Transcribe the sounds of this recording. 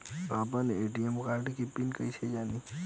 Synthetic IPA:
ap̬əneeʈiemkaɾʈikipinkəit͡ʃʰed͡ʒani

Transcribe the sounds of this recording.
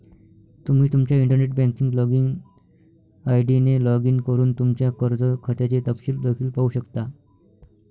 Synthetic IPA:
t̪um̤iːt̪umt͡ɕjaiɳʈəɾneʈ̚bɛ̃ŋkiŋɡlɔɡiŋɡ | ajɖinelɔɡiːŋkəɾuːnt̪umt͡ɕjakəɾd͡zəkʰət̪jat͡ɕet̪əpɕiːld̪əkʰiːlpauɕəkt̪a

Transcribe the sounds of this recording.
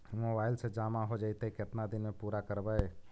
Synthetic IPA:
mobaːɪlsed͡ʒaːmaɦod͡ʒəit̪ekɪt̪nad̪ɪnmẽpuːɾakəɾbəe

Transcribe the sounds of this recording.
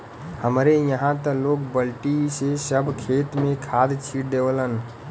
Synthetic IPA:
həmɾejəɦãt̪əloːkbəlʈisesəbʱkʰeːt̪mẽkʰaːd̪t͡ʃʰid̪ewlən

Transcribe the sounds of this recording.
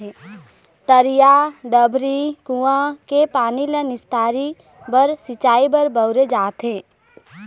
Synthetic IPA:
t̪əɾijaɖ̪əbʱɾikuãkepaːnilənɪst̪ʰaːɾi | bəɾsit͡ʃaːibəɾbəʊɾed͡ʒaːt̪ɦẽː

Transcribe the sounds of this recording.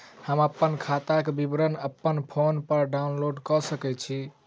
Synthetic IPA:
həməpːənkʰat̪akebibɾənəpːənpʰonpəɾɖaunloɖkɔsəkɛt͡ʃʰi

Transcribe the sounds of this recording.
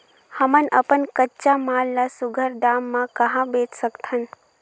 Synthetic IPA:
həmənə̰pənkətːt͡ʃamaːlːasʊɡʱəɾd̪aːmːãkəɦãbet͡ʃsəkt̪ʰən

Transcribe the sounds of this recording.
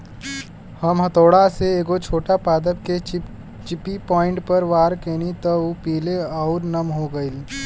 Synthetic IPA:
həmɦət̪oːɽaseeːɡot͡ʃʰoːʈapaːd̪əb̚ke | t͡ʃɪpipɔ̃ːɪ̃ɳʈpəɾʋaːɾkenit̪ɔupiːleɔːʊɾnəmɦoɡəil

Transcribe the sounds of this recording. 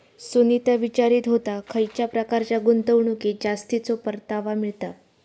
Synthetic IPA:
sunit̪aʋit͡ɕaɾiːt̪ɦot̪akʰəjt͡ɕjapɾəkaɾt͡ɕjaɡunt̪əʋɳuked͡ʑast̪it͡sopəɾt̪aʋamiɭt̪a

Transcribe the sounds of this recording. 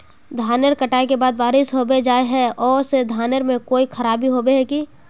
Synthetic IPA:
d̪ʱaːnəɾkɐʈaːekebaːd̪ʋaːɾɪsɦobed͡ʒaːeɦɛɔːɾsed̪ʱaːnəɾmẽkoːikʰɐɾaːbʱiɦobeɦɛki

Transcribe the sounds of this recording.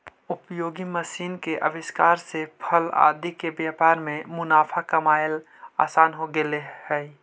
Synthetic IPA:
ʊpjoːɡiməsiːnkeʔəʋɪʃkaːɾsepʰəla̰ːd̪ikebjaːpaːɾmẽmʊnaːpʰakɐmaːjl | a̰ːsaːnɦoɡelehɛː

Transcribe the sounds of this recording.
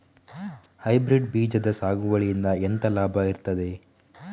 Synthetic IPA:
hɐjbɾiɖbiːd͡ʒɐd̪ɐsaːɡuʋɐɭijind̪ɐent̪ɐlaːbʱɐiɾt̪ɐd̪e̞

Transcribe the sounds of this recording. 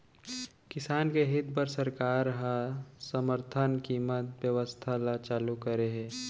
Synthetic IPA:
kɪsaːnkeɦɪt̪̚pəɾsəɾkaːɾɦãsəməɾt̪ʰənkiːmət̪bjəʋəst̪ʰalat͡ʃaːlukəɾeɦɛ̃ː

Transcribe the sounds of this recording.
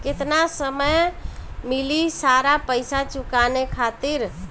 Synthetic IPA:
kɪt̪nasəməjmilisaɾapəjsat͡ʃukanekʰat̪iɾ

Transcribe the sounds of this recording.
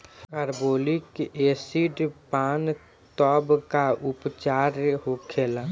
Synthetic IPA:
əɾboːlikesiɖpaːn | t̪ɔːbkaʊpt͡ʃaːɾɦokʰeːla

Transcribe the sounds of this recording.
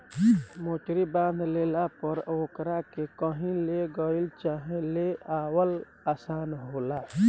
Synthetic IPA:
moːʈɾibãːnd̪ʱleːlapəɾoːkɾakekəɦĩleɡəilt͡ʃaːɦẽleaːwəl | aːsaːnɦoːlaː

